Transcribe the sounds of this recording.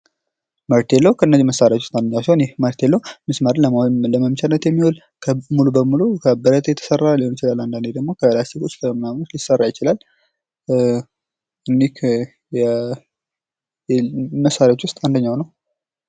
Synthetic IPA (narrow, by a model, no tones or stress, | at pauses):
məɾt̪ʰelːəhukʰəɨnːəziməsːaɾjat͡ʃ̪wʊst̪ʼand̪əɲːawsiho̞njɛməɾt̪ʰelːəwmɨsməɾələməmt͡ʃʰanːət̪jɛmːihwol | kʰəmulubəmulukʰəbəɾət̪ʰjɛt̪ʰːə̥sərːaliho̞njɪt͡ʃɪlalːand̪and̪ed̪əɡmo̞kʰəlast̪ʰikot͡ʃːləmənamnut̪lisːərːajɪt͡ʃɪlal | ɨnːikʰ | jɛ | məsːaɾjat͡ʃwʊst̪ʼand̪əɲːawnəw